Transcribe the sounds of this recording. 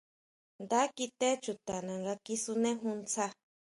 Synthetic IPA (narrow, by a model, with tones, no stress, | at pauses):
nd̪a˦ki˧t̪e˦t͡ʃu˨t̪a˨nã˨ŋɡa˧ki˧su˧nẽ˦ɦũ˧nt͡sa˧